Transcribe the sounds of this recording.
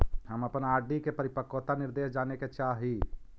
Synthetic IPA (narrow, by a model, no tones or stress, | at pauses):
ɦəməpənaːɖikepəɾipəkːot̪anɪɾd̪eːsd͡ʒaːneket͡ʃaɦi